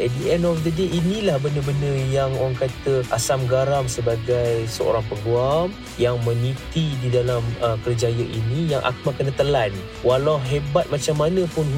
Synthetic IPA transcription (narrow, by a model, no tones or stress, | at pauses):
diɛndɔfd̪ədeʔinĩlahbəndəbənəjaŋoaŋkat̪əʔasamɡaɾamsəbaɡajsəo̰ɾaŋpəɡuam | jaŋmə̃nĩt̪ididalaməkərd͡ʒajəʔinĩjaŋʔa̰k̚makənət̪əlan | walawɦebat̪̚mat͡ʃamːanə̃pʊn